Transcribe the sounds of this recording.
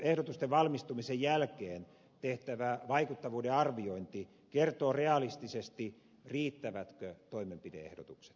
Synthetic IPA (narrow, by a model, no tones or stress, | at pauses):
ehdot̪ust̪eʋʋɑlmist̪umisejjælkeːn | t̪eht̪æʋæʋɑikut̪ːɑʋuːdeɑrʋioint̪i | kert̪oːreɑlist̪isest̪i | riːt̪ːæʋæt̪køt̪oimempidḛḛhdo̰t̪ukse̥t̪